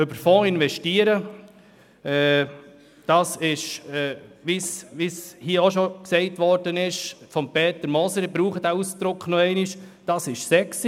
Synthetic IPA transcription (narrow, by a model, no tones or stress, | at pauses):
ʏbəɾfɔːɪnʋɛʃtiːəɾə | ɛ | d̥ɑsɪʃɛːʋisʋishiəoʃoksɛɪtʋɔɾdənɪʃfɔmpeːt̪əɾmɔsəɾɪbɾuːχədæusd̥ɾʊkχnɔɛɪniʃd̥ɑsɪʃsɛksi